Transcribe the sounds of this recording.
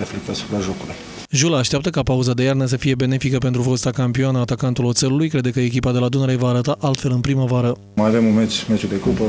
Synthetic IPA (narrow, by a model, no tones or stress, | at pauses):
eflek̚t̪asu̥pɾaʒo̞kuluj | ʒuləːʃt̪eapt̪əkapauzad̪e̞jarnəs̬əfije̞be̞ne̞fikəpe̞nt̪ɾufost̪akampioanəːt̪akant̪ulose̞lulujkɾe̞d̪e̞kəe̞kʲipad̪e̞lad̪unəɾejvaːɾət̪aʔalt̪fe̞lɨnpɾiməvaɾə | majave̞munmet͡ʃmet͡ʃud̪e̞kupə